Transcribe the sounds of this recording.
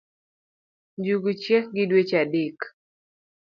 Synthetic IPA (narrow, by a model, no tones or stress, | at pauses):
ɲd͡ʒuɡut͡ʃjɛkɡɪdwet͡ʃadik